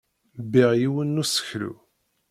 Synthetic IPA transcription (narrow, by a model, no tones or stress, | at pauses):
biʁjiwənːusə̥çlṵ